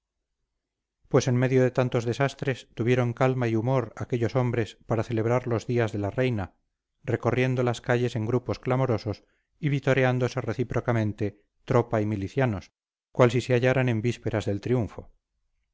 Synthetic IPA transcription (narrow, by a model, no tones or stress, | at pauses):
pwe̞se̞nme̞ðjo̞ðe̞t̪ant̪o̞zðe̞sast̪ɾe̞st̪uβje̞ɾo̞ŋkalmaiumo̞ɾakeʎo̞so̞mbɾe̞spaɾaθe̞le̞β̞ɾaɾlo̞zðiazðe̞larejna | re̞ko̞rje̞nd̪o̞laskaʎe̞se̞ŋɡɾupo̞sklamo̞ɾo̞so̞s | iβit̪o̞ɾeand̪o̞se̞re̞θipɾo̞kamẽ̞nt̪e̞ | t̪ɾo̞paimiliθjano̞s | kwalsiseaʎaɾane̞mbispe̞ɾazðe̞lt̪ɾijuɱfo̰